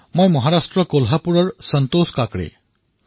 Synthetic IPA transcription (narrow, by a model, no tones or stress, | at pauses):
mʌjmʌɦaɾasʈɾʌkolɦapuɾʌɾsʌnt̪oskakɽḛ